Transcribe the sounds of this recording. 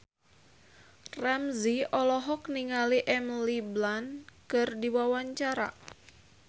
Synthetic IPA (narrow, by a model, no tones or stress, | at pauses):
ramziɔlɔɦɔk̚niŋaliʔɛmliblankɨrdiwawaɲt͡ʃaɾa̰